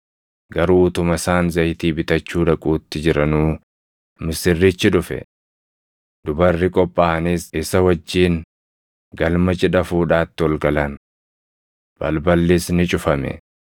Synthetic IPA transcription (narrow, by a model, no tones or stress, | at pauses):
ɡɐɾuːt̪ʊmɐsaːnzɐjt̪iːbɪt̪ɐt͡ʃːuːᶑ̪ɐkʼuːt̪ːɪd͡ʒɪɾɐnuː | mɪsɪrːɪt͡ʃːɪᶑ̪ʊfɛ̰ | d̪̥ʊbɐrːɪkʼɔpʼːaːɐniːsɪsɐwɐd͡ʒːiːn | ɡɐlmɐt͡ʃʼɪᶑɐfuːᶑaːt̪ːɪwɔlɡɐlɐn | b̥ɐlbɐlːɪsnɪt͡ʃʼʊfɐmɛ̰